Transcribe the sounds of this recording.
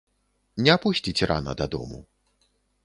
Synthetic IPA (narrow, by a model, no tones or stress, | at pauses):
nʲɛapusʲt͡sʲit͡sʲra̰nɐ̰d̪ɐd̪ɔ̰mṵ